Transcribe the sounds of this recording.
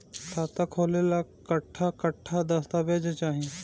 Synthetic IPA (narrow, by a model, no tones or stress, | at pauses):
t̪ʰaːt̪akʰoːlelakəʈʰːakəʈʰːad̪ɐst̪abʱeːd͡ʒet͡ʃaːɦie